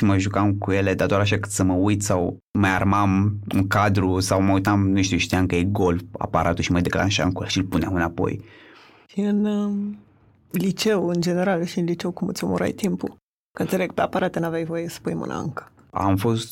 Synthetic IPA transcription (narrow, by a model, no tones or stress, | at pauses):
ʃiməʒukamkuje̞led̪ad̪oaɾaʃakɨt̪səməujt̪saw | majarmamɨ̰ŋkad̪ɾusawməujt̪amnuʃt̪ʲut̪ijamkəjejɡo̞lfa̰pa̰ɾʔat̪uʃiməd̪e̞kla̰nʃa̰mkuʃilpuneamɨnapo̞̰j | ʃiɨn | lit͡ʃewɨnd͡ʒeneɾalʃiɨnlit͡ʃewkumɨt̪sʲomoɾa̰jt̪impu | kənt̪seleɡpeapaɾat̪enavjajvojesə̥pujmɨ̰nə̰ɨ̰ŋkə̥ | a̰mfo̞st̪